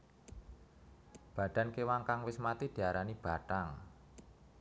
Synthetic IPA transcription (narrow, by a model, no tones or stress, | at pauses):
b̥a̤ɖ̪̥a̤nkewaŋkaŋwɪsmat̪id̪̥i̤aɾanib̥a̤taŋ